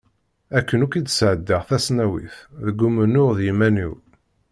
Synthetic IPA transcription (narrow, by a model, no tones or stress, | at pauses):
ækːənukid̪sʕəd̪ːaʁθæsnæwḭθðəɡumənʊʁðjimæniw